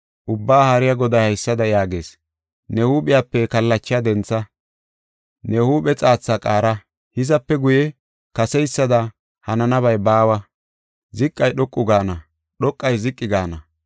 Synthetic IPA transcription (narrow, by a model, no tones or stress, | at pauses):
ʔʊbːaːhɐɾɪjɐɡɔd̪ɐjhɐjsːɐd̪ɐjaːɡeːs | nɛhuːɓɪjaːpːɛkɐlːɐt͡ʃːɪjɐd̪ɛnt͡sːɐ | nɛhuːɓɛt͡sʼaːt͡sːakʼaːɾɐ | hɪzɐpːɛɡʊjɛ | kɐsɛjsːɐd̪ɐ | hɐnɐnɐβɐjbaːwɐ | zɪkʼːɐjɗɔkʼːʊɡaːnɐ | ɗɔkʼːɐjzɪkʼːɪɡaːnɐ